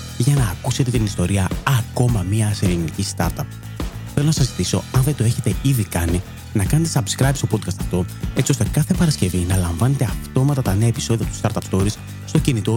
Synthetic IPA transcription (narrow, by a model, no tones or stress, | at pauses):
ʝɐnɐːkuse̞t̪e̞t̪inist̪o̞ɾiɐɐko̞mɐmiɐselinicist̪ɐɾt̪ɐp̚ | θe̞lonɐsɐzit̪iso̞̰ɐnðet̪o̞e̞çet̪e̞iðikɐni | nɐkɐne̞t̪esɐbskɾɐjpst̪o̞po̞d̪̚kɐst̪ɐft̪o̞t͡sio̞st̪e̞kɐθe̞pɐɾɐsce̞vinɐlɐɱvɐne̞t̪e̞ɐft̪o̞mɐt̪ɐt̪ɐne̞ɐepi̥so̞ðiɐt̪u̥st̪ɐɾt̪ɐpst̪o̞ɾis | st̪o̞cinit̪o̞